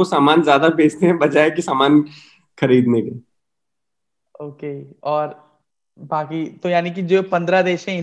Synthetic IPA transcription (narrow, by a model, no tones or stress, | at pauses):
osaːmaːnzjaːd̪abeːt͡ʃneɦɛ̃bɐd͡ʒaːekisaːmaːn | xɐɾiːd̪neke | oːkeɔːɾ | baːkit̪ojaːnik̬id͡ʒoːpɐ̃nd̪ɾad̪eːʃɛ̃ɪ